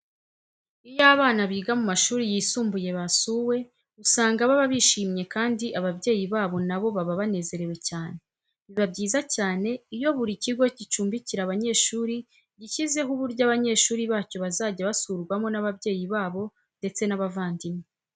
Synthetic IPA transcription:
ijaːβaːnaβiːɡamumaʃuːɾijiːsuːmbuje̞βasuːwe̞ | usaːŋɡaβaβaβiʃiːmɲe̞kaːndiʔaβabɟe̞ːjiβaːβo̞naβo̞βaβaβane̞ːze̞ɾe̞we̞caːne̞ | βiβabɟiːzacaːne̞ijo̞βuɾiciɡo̞cit͡ʃuːmbiciɾaβaɲe̞ːʃuːɾi | ɟicize̞ɦuβuɾɟaβaɲe̞ːʃuːɾiβaːco̞βazaːɟaβasuːɾɡwamo̞naβabɟe̞ːjiβaːβo̞ | nde̞t͡se̞naβavaːndime

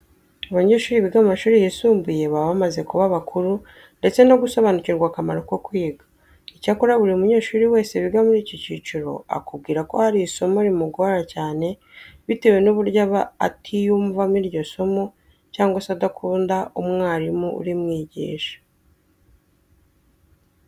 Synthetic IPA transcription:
aβaɲe̞ːʃuːɾiβiɡamaʃuːɾijisuːmbuje̞βaβamaze̞kuβaβakʰuɾu | nde̞t͡se̞no̞ɡuso̞βanuciɾɡwaːkamaɾo̞ko̞kwiːɡḁ | icakuɾaβuɾeumuɲe̞ːʃuːɾiwe̞ːse̞βiɡamuɾiːcociːt͡ʃuɾo̞̰a̰kub̚ɡiːɾako̞haɾiːso̞moɾimuɡoɾacaːne̞ | βitewe̞nuβuɾɟaβaːtʰijuːɱvamiɾɟo̞so̞mo | caːŋɡwasadakʰuːndaumŋaːɾimuṵɾimŋiːɟḭːʃḁ

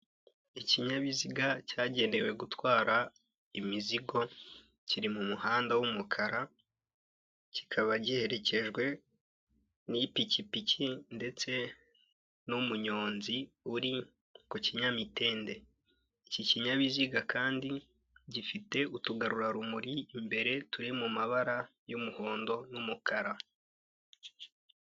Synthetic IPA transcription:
iciɲaβiziɡacaːɟe̞ːnde̞we̞ɡutwaːɾa | imiziɡo̞ | ciɾimumuhaːndawumukʰaɾa | ci̥kʰaβaɟihe̞ɾe̞ce̞ʒɡwe̞ | nipicipicinde̞t͡se̞ | numuɲo̞ːnzi | uɾi | kociɲamite̞ːnde̞ | iciciɲaβiziɡakʰaːndi | ɟifite̞utuɡaɾuɾaɾumuɾiːmbe̞ɾe̞tuɾimumaβaɾajumuho̞ːndo̞numukaɾa

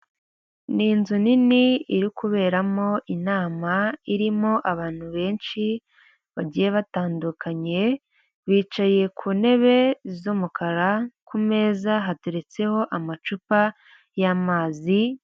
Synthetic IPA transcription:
ninzuniniiɾikuβe̞ːɾamo̞ʔinaːmaiɾimo̞ʔaβaːn̥huβe̞ːnʃi | βaɟijeβataːndukʰaɲe̞ | βiːt͡ʃaje̞kʰuːne̞βe̞zumukʰaɾakume̞ːzaɦatuɾe̞t͡se̞ho̞ʔamat͡ʃupa | jamaːzi

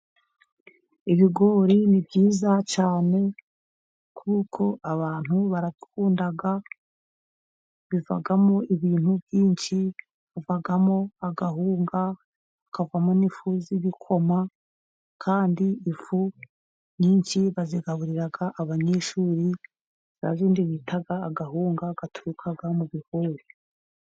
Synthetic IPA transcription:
iβiɡo̞ːɾinibɟiːzat͡ʃaːne̞ | kʰuːkʰo̞ʔaβaːn̥uβaɾaβikʰuːndaɡa | βiva̰ɡamo̞ʔiβiːnhubjiːnʃi | βuvaɡamo̞aɡaɦuːŋɡa | akʰavamo̞nifuziβikʰo̞ma | kʰaːndiːfu | ɲiːɲʃiβaziɡaβuɾiɾaɡaʔːβaɲeʃuːɾi | zia̰ziːndiβitʰaɡaːɡaɦuːŋɡaɡ̥atʰuɾukʰaɡamuβihuːɾi

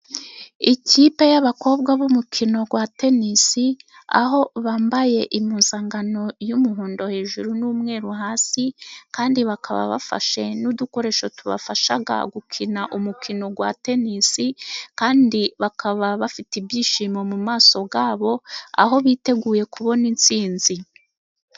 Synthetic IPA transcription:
iciːpe̞jaβako̞ːbɡwaβumukʰino̞ɡwate̞nisi | a̰ɦo̞βaːmbaje̞ʔimuːnzaŋɡano̞jumuɦuːndo̞he̞ːʒuɾunuːmŋe̞ːɾuɦaːsikaːndiβakʰa̰βa̰βa̰fa̰ʃe̞nuduko̞ɾe̞ːʃotuβa̰faʃaɡa̰ɡukʰinaʔumukʰino̞ɡwa̰te̞nisikaːndiβakʰaβaβafitibjiːʃiːmomumaːso̞ɡaːβo̞a̰ɦo̞βiːte̞ɡuːje̞kʰuβo̞nint͡siːnzi

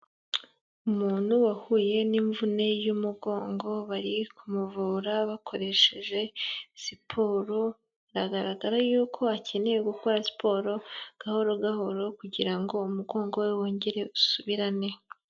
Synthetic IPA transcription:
umuːn̥huwahuːje̞niɱvune̞jumuɡo̞ːŋɡo̞βaɾikʰumuvuːɾaβakʰo̞ɾe̞ʃe̞ʒe̞sipʰo̞ːɾo | ɾaɡaɾaɡaɾajuːkʰo̞acʰe̞ne̞jeɡukoɾasi̥pʰo̞ːɾo̞ɡ̥aho̞ɾo̞ɡaho̞ɾo̞kuɟiɾaŋɡo̞umuɡo̞ːŋɡo̞we̞woːɲɟeɾe̞usuβiɾane̞

